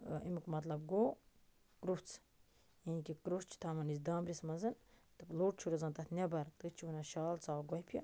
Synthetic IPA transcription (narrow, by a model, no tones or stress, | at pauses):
ḭmkmɐt̪lɐb̚ɡoː | kɾuft͡sʰ | janikikɾut͡ʃʰt̪ʰamɐnisd̪aːmbɾʲismɐnzɨnt̪ɨploːʈ̚t͡ʃʰuɾʲɐzɐnt̪ɐt̪ʰnʲɐbɐɾt̪ɨt͡ʃʰunɐʃaːlt͡saːwɡɔhpʰʲɐ